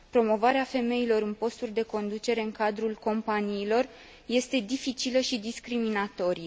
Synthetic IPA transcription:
pɾo̞mo̞vaɾeafe̞me̞ilo̞ɾɨnpo̞st̪urʲd̪e̞ko̞nd̪ut͡ʃe̞ɾe̞ɨŋkad̪ɾulko̞mpaniːlo̞r | je̞st̪e̞d̪ifit͡ʃiləʃid̪iskɾiminat̪o̞ɾie

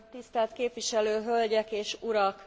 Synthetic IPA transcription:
t̪ist̪ɛlt̪keːpʋiʃɛløːɦølɟɛkeːʃuɾɒk

